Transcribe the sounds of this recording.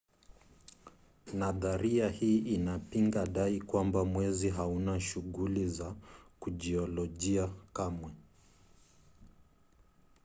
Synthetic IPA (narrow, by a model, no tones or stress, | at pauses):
naðaɾiahiːʔinapiŋɡaɗaikwambamwɛziɦaunaʃuɣulizakuʄiɔlɔʄiakamwɛ